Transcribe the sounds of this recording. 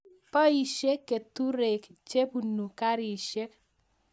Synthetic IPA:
pɔ˦i˨ʃe˦kːe˨tu˦ɾe˨kt͡ʃe˦pu˨nu˨ka˦ɾi˨ʃɛ˦k̚

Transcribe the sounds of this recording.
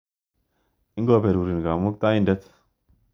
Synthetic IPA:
i˦ŋɡo˦be˨ɾu˨ɾi˨nɡa˨mo˦k̚t̪a˦ji˦ndə˦t̪

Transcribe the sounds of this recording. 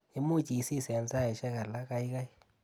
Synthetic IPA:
ɪ˦mu˦˨t͡ʃi˨si˦˨sɛ˨nsa˦ɪ˨ʃɛ˦ka˨la˦ka˦i˦ka˦j

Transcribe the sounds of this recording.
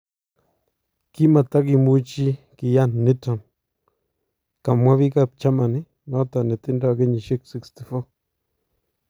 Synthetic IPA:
ki˦ma˨t̪a˦ɡi˧mu˦t͡ʃi˦ | ki˨ja˦˨nːi˦ta˨m | ka˨mːwʷa˦βi˦ka˦˨p̚t͡ʃa˦ma˨ni˦ | no˦t̪a˨ni˨t̪i˦nda˦˨ɡe˦ɲi˨ʃi˦ksi˦kst̪i˨fo˦

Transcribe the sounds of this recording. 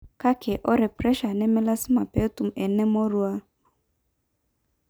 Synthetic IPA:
ka˦kʰɛ˨ʔɔ˦ɾɛ˨pɾɛ˦ʃa˨nɛ˦mɛ˦la˦sɪ˦ma˨pe˨˦tu˨m̩˨ɛ˨nɛ˦mɔ˦ɾu˦a˦

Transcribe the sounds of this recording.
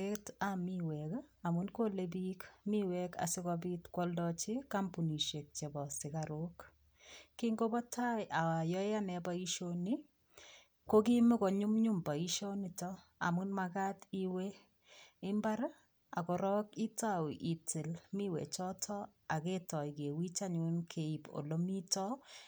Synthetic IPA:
e˦tami˦wɛ˨ka˨mu˦nko˦le˦bikmi˦wɛka̰˨sɪ˦kɔbi˦tkwɔ˦ldɔt͡ʃɪ˦ka˦mpu˨ni˨ʃe˨k̚t͡ʃe˨bɔ˨sɪ˨kaɾo˦k | ki˦ŋɡo˦bɔ˦tʰa˦jʔa˨a˨jɔ˦ja˦nɛ˨ba˦i˦ʃoni˦ | ko˦ki˦me˦kɔ˨ɲʊ˦mɲʊ˦mba˨i˦ʃo˦ni˨tɔ˦ | a̰˨mʊ˦nma˨ka˦ti˦we˦ | ɪ˦mba˦ɾ | a̰˨kɔ˨ɾɔ˦ki˦tawʔi˨tʰe˨lmi˦wḛ˨t͡ʃɔ˦tʰɔ˦ | a˨ke˦tɔ˨ɪ˨ke˨wi˦t͡ʃa˦ɲ˨e˦nkʰe˨i˨po̰˨lo˦mi˦tɔ˦

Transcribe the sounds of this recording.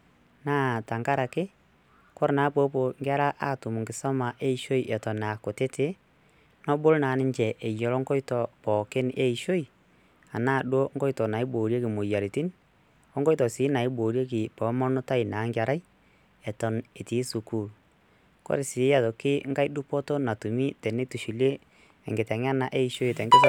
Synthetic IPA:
naː˦ta˨ŋɡa˦ɾa˨kɪ˦ | kɔ˦ɾna˨˦po˦po˨ŋɡʲa˦ɾa˦ʔa˦˨tʊ˨mʊ˨ŋɡɪ˨sɔ˦ma˨ʔe˦i˨ʃo˦i˨ʔɛ˨tɔ˨na˨ko˨tɪ˦te˦ | nɔ˦bʊ˦lnaː˨˦nɪ˦ɲt͡ʃɛ˨ʔe˨jɔ˨lɔ˦ŋɡɔ˦jtɔ˨pɔː˨kɪ˦ne˦i˨ʃo˦i˨ | a˨naː˦˨ɗo˦ŋɡɔ˦jtɔ˨na˨ɪ˦boː˨ɾje˦kɪ˨mo˨ja˨ɾi˨ti˦n | ɔ˦ŋɡɔ˦jtɔ˨sɪː˨˦na˨ɪ˦boː˨ɾje˦k̬ɪ˨pɔ˨˦mɔ˦nʊ˦ta˦i˨naː˨˦ŋɡa˨ɾa˦i˦ | ɛ˨tɔ˨ne˨ti˨˦su˨kuː˦˨l | kɔ̰˦ɾɪ˨sɪ˨˦ja˦ðo˨kɪ˦ŋɡa˦jdu˦pɔ˦to˦na˨tu˨mi˦tɛ˨ne˦tu˨ʃi˨leː˦˨ | ŋɡɪ˨tɛ˨ŋ˦a˦na˨ʔe˦i˨ʃo˦i˨tɛ˨ŋɡɪ˦s

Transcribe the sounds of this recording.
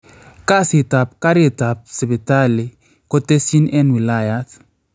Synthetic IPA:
ka˦si˨ta˨p̚ka˦ɾe˨ta˨p̚se˨be˨ta˦li˨ | kɔ˦te˦si˦nɛ˦nwi˨la˦˨ja˦t

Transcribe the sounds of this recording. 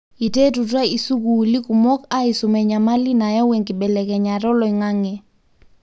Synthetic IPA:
i˨te˦tu˨twa˦i˨su˦ku˨li˦ku˨mɔ˦ka˦i˨su˨mɛ˨ɲa˨ma˦li˦na˨jɔ˦wɛ˨ŋki˨ɓɛ˨lɛ˨kɛ˨ɲa˨ɾɔ˦lɔ˨i˨ŋa˦ŋɛ˨

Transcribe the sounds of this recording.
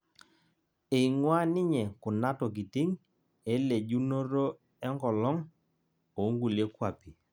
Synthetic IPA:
e˨i˨ŋwa˦nɪ˦ɲɛ˨kʊ˨na˦tɔ˨k̬ɪ˨tɪ˦ŋ | e˦le˨d͡ʒu˦no˦ɾo˦ | ɛ˦ŋkɔ˨lɔ˦ŋ | o˨˦ŋɡu˨le˦kwa˨pi˨

